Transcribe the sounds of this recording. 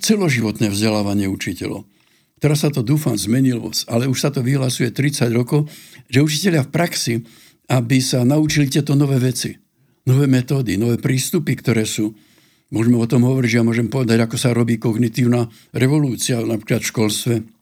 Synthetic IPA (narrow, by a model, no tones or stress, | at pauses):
t͡sɛlɔʒiʋɔt̪nɛːvzɟɛlaːʋaɲɪɛut͡ʃicɛ̰lɔ̰ʊ | kt̪ɛɾasːat̪ɔd̪uːfamzmɛɲilʋɔ̰t͡salɛuʃsat̪ɔʋiɦlasujɛt̪ɾit͡saɟɾɔkɔʊʒɛut͡ʃicɛʎɪafpɾaksi | abisanaut͡ʃilit̪ɪɛt̪ɔnɔʋɛːʋɛt͡si | nɔʋɛːmɛt̪ɔːd̪inɔʋɛːpɾiːst̪upikt̪ɔɾɛːsuː | mʊɔʒmɛɔt̪ɔmɦɔʋɔɾiɟʒɛjamʊɔʒɛmpɔʋɛd̪aɟakɔsaɾɔbiːkɔɡnit̪iːʊnaː | ɾɛʋɔluːt͡sianapɾiklat̪fʃkɔlst̪ʋɛ